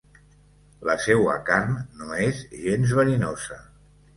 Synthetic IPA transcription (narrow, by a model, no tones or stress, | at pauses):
ləsɛwə̰kanːoezʒenzβəninozə